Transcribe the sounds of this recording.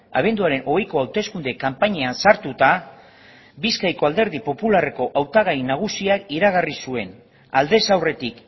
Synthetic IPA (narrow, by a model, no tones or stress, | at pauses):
a̰β̞e̞nd̪uaɾe̞nʔo̞ɣejko̞awt̪e̞skund̪e̞kampaɲeansaɾt̪ut̪a | biskajko̞ald̪eɾð̞ipo̞pulare̞ko̞ʔawt̪aɣ̞ajnaɣ̞usiakiɾaɣarisue̞n | ald̪e̞sawre̞t̪ik